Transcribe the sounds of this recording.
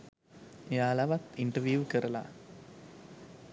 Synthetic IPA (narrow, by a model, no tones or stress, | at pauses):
jaːlɐʋɐt̪iɳʈɐʋjuːʋkɐɾɐla̰